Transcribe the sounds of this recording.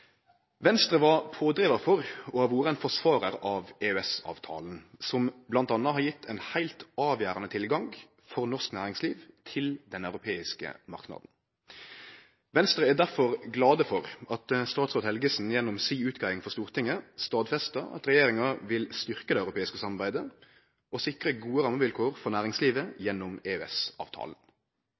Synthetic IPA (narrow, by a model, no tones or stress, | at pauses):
ʋɛnst̪ʁəʋɑpʰoːd̪ɾeːʋɑfɔʁɔhɑʋuːɾəɛɪnfɔʂʋɑːɾəɾɑʋeøɛsɑ̰ːʋt̪ʰɑ̰ːln̩sɔmblɑnt̪ɑnːɑɦɑɾjɪt̪ʰːɛnhæɪlt̪ɑːʋjæːɾɑnət̪ʰɪlɡɑŋ | fɔʁnɔʁsknæ̰ːʁɪŋsliːʋt̪ʰɪld̪ɛnœʉɾʊpʰeːɪskə̰mɑ̰ʁknɑ̰ːd̪n̩ | ʋɛnst̪ʁəæd̪æʁfɔʁɡlɑːd̪əfɔʁɑt̪st̪ɑːt̪sʁoːd̪hɛlɡəsn̩jɛnːʊmsiːʉːt̪ɡɑɪɪŋfɔʁst̪uːʁt̪ʰɪŋːəst̪ɑːd̪fɛst̪ɑɑ̰t̪ʁɛjeːɾɪŋɑʋɪlst̪ʏʁkəd̪ɛœʉɾʊpʰeːɪskəsɑmːɑʁbæɪd̪ə | ʔɔsɪkɾəɡuːəɾɑmːəʋɪlkʰoːʁfɔʁnæːʁɪŋsliːʋəjɛnːʊmeːøɛsɑ̰ːʋt̪ʰɑ̰ːlən̩